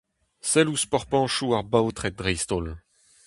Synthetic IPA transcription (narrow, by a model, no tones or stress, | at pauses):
sɛluspɔʁpɑ̃ʃuaʁbaot̪χɛd̪ʁɛjst̪ol